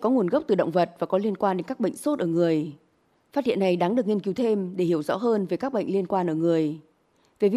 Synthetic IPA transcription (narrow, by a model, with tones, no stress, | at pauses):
kɔ˨˦ŋu˨˩ənɣə˦˥k͡p̚t̪ɨ˨˩ɗə̰˧˨wŋ͡mvə˨˩t̚vaː˨˩kɔ˨˦li˧ənkwaː˧nɗe˨˦nkaː˦˥k̚ɓə̰˧˨jŋ̟so˦˥t̚ʔəː˧˩ŋɨ˨˩əj | faː˦˥t̚hḭ˧˨əna˨˩jɗaː˨˦ŋɗɨ˨˩ək̚ŋi˧ənki˨˦wt̪ʰe˧mɗe˧˩hi˧˩əwzɔ̰˧˥ɦəː˧nve˨˩kaː˦˥k̚ɓə̰˧˨jŋ̟li˧ənkwaː˧nʔəː˧˩ŋɨ˨˩əj | ve˨˩vi˨